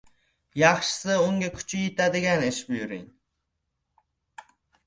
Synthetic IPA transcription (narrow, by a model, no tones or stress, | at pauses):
jɑχʃɨ̥sɨuŋɡʲɛkʲʰy̥t͡ʃʰyjit̪æd̪ɪɡʲɛneʃbyjyɾḭn